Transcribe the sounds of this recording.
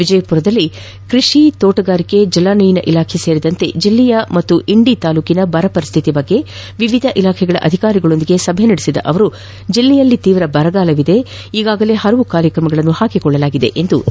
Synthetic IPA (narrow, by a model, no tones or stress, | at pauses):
ʋid͡ʒɐjɐpuɾɐd̪ɐlːi | kɾiʂit̪oːʈɐɡaːɾike̞d͡ʒɐlaːnɐjinɐʔilaːkʰese̞ːɾid̪ɐnt̪e̞d͡ʒilːɛjɐmɐt̪ːuʔiɳɖit̪aːluːkinɐbɐɾɐpɐɾist̪ʰit̪ibɐɡːe̞ | ʋiʋid̪ʱɐʔilaːkʰɛɡɐɭɐ̰ʔɐ̰d̪ʱikaːɾiɡɐɭo̞nd̪iɡe̞sɐbʱɛnɐɽesid̪ɐ̰ʔɐʋɐɾu | d͡ʒilːɛjɐlːit̪iːʋɾɐbɐɾɐɡaːlɐʋid̪e̞ | iːɡaːɡɐle̞ːɦɐɾɐʋukaːɾjɐkɾɐmɐɡɐɭɐnːuhaːkikɔɭːɐlaːɡid̪e̞̰ʔend̪u